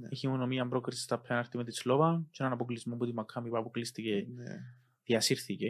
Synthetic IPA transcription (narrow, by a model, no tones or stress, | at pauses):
içimonomiɐmbɾo̞kɾisi̥st̪ɐpʰɐnɐɾt̪imet̪islovɐt͡ʃenɐnɐpoklizmomput̪imːɐkʰːɐmipɐpoklist̪ice | ðiɐsiɾθice